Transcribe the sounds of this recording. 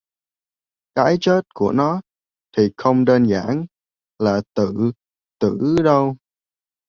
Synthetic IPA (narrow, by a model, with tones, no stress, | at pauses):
kaː˨˦jt͡ɕə˦˥t̚ku˧˩ənɔ˨˦ | t̪ʰi˨˩xə˧wŋ͡mɗe˧nza̰ː˧˩n | laː˨˩t̪ɨ̰˧˨ | t̪ɨ̰˧˩˨ɗə˧w